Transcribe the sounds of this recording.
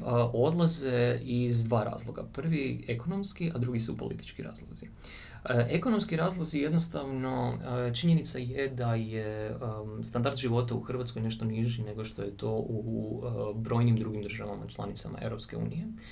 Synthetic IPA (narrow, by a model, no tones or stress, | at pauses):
əʔo̞d̪lˠazeizd̪ʋaːɾa̰ːzlˠoɡa̰pr̩ʋieko̞nomskiad̪ɾuɡisupolʔḭt̪i̥t͡ʃkiɾa̰ːzlˠozi | ʔekono̞mskiɾaːzlˠoɡzije̞d̪nost̪aʋno̞t͡ʃiɲenit̪sajed̪aje | st̪and̪aɾd̪ʒiʋo̞t̪auxr̩ʋat̪skojne̞ʃt̪o̞niʒine̞ɡo̞ʃt̪o̞jet̪o̞ʔu | bɾo̞ːjnimd̪ɾuɡimd̪r̩ʒaʋama̰t͡ʃlˠa̰nit̪sama̰e̞̰wɾo̞pske̞ṵːnije̞